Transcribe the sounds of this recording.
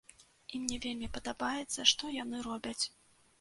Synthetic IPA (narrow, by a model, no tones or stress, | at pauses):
imnʲɛvʲelʲmʲipɐd̪abajɛt̪sːɐʂt̪ɔjan̪ɨɾɔbʲɐt͡sʲ